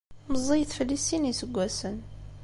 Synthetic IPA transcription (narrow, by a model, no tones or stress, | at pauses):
məzˤːijθfəlːisinisəɡʷːæsən